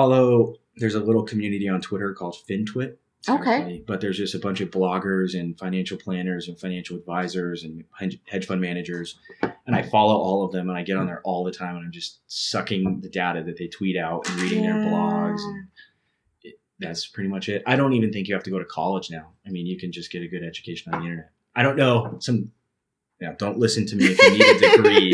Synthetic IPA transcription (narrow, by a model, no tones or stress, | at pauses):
ɔlˠðoʊ | ðə˞zəlɪɾl̩ˠkʰm̩jʉnɨɾiə̃ntʰw̥ɪɾə˞kʰɔlˠd̥fɪ̃ntʰw̥ɪtʰ | oʊkʰeɪib̥ʌt̪̚ðə˞zd͡ʒʌstɨbʌ̃nt͡ʃʌvblɑɡə˞zɨ̃nfãɪ̃næ̃nʃl̩ˠpʰl̥æ̃ñə˞zɨ̃nfãɪ̃næ̃nʃl̩ˠədvaɪzə˞zɨ̃nhɛhɛ̥ʒ̥fʌ̃nmænɨd͡ʒə˞zɨ̃ɾ̃aɪfɑlˠoʊʔɔlˠʌvðɨ̃mə̃ñaɪɡɛɾn̩ðə˞ʔɔlˠðətʰãɪ̃mə̃nãɪ̃md͡ʒʌstsʌkɪ̃ŋðɨdaʊɾɨðɨt̪̚ðeɪtʰw̥iɾaʊɾɨ̃n̩ɹiɾɪ̃ŋðə˞blɔɡzɨ̃n | ɪ | ðætspʰɹ̥ɪɾimʌt͡ʃɪt̚aɪɾõʊ̃ntivɨ̃nθɪ̃ŋkjɨhæftɨɡoʊɾɨkʰɑ̰lˠəd͡ʒnaʊaɪmĩnjɨkʰɨ̃n̩d͡ʒʌsɡ̥ɛɾɨɡʊɾɛd͡ʒɨkʰeɪʃɨ̃ñ̩n̩ðiɪ̃ɾ̃ə˞nɛt̚aɪɾõʊ̃nːoʊsʌ̃m | noʊdõʊ̃nʔˡlɪsɨ̃ntʰɨmiɨfnitɨə˞i